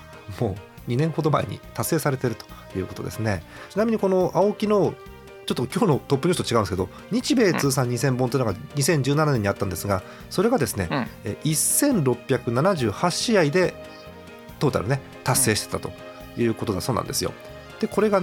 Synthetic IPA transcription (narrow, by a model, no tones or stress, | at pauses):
mo̞ː | ɲ̟inẽ̞ŋ̃ho̞d̪o̞ma̰ḛɲ̟ḭt̪asːeːsaɾe̞t̪e̞ɾɯ̟t̪o̥jɯ̟ːko̞t̪od̪e̞̰sɨne̞ | t͡ɕinamʲiɲ̟iko̞no̞ʔaokʲino̞ | t͡ɕo̞t̪ːokʲo̞ːno̞t̪o̞pːɯɲʲist̪ot͡ɕiɡaɯ̃nesked̪o̞̰ | ɲ̟it͡ɕibe̞ːt͡sɨːs̬ãɲ̟ːisẽmbont̪eiːnoɡaɲ̟isẽ̞ɲ̟d͡ʑɨːnananẽ̞ɲ̟ːiat̪ːãnd̪e̞sɨɡa | so̞ɾe̞ɡad̪e̞sɨne̞̰ʔisːẽ̞nɾo̞pʲːjakɯ̟nanaʑɨːhaɕiaid̪e̞ | t̪oːt̪a̰ɾɯ̰ne̞ | t̪asːe̞ːɕi̥t̪et̪at̪o̞̰ | jɯ̟ːko̞t̪oasoːnã̰nd̪e̞sɨjo̞̰ | d̪̥e̞ko̞ɾe̞ɡa